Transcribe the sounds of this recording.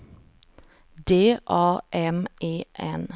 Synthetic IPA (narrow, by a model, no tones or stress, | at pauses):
d̪eːʔɑːʔɛmeːʔɛn